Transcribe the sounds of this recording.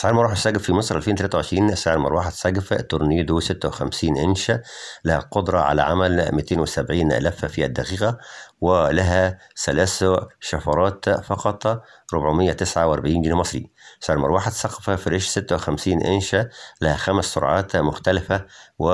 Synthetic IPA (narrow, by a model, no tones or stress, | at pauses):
ʔsaʕelmɑɾˤwaħsːæɡæffimɑsˤɾˤʔælfeːnt̪ælæt̪æwʕeʃɾiːnsaːʕlmɑɾˤwaːħad̪sæɡft̪ːoɾˤniːd̪usɪt̪ːæwexæmsiːnʔɪnʃælæhæqod̪ɾˤɑʕa̰læ̰ʕamælmɪt̪eːnwɪsæbʕiːnʔæ̰læːffiæd̪ːæqiːqæwɪlæɦæ | sælæːsʃɑfɑɾˤɑːt̪fɑqɑt̪ˤɾobʕomɪjːæt̪ɪsʕawʔɑɾˤbʕiːnɡiːnmɑsˤɾḭsaʕelmɑɾˤwaːħad̪sˤɑqɑ̥fæfiɾeʃsɪt̪ːæwexæmsiːnʔɪnʃælæhæxæmsːoɾˤʕɑːt̪mʊxt̪ælɪfæwɪ